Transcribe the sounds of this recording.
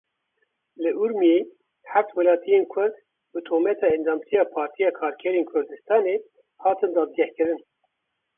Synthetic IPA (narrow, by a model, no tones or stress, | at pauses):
lɨʔuɾmije | hæft̪wɛlɑːt̪ʰijenkʰʊɾd̪ | bɨt̪ʰoːmɛt̪ʰɑːɛnd̪ɑːmt̪ʰijɑːpʰɑːɾt̪ʰijɑːkʰɑːɾkʰɛɾeːnkʰʊɾd̪ɨst̪ɑːne | hɑːt̪ʰɨnd̪ɑːd̪̚ɡɛhkɨɾɨn